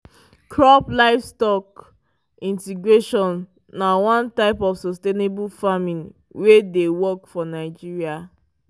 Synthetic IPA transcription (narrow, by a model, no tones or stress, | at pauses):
kʰɹɔplaɪfstɔk | ĩntiɡɹeʃɔ̃nː | awãntaɪpɔfsɔstenebulfamĩn | wedewɔkfɔnaɪd͡ʒiɹia